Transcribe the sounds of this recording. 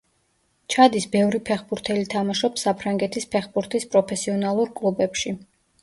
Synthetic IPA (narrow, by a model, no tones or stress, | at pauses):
t͡ʃʰad̪isbɛvɾipʰɛχbuɾt̪ʰɛlit̪ʰamaʃɔpsapʰɾaŋɡɛt̪ʰispʰɛχbuɾt̪ʰispʼɾɔpʰɛsiɔnalˠuɾkʼlˠubɛpʃi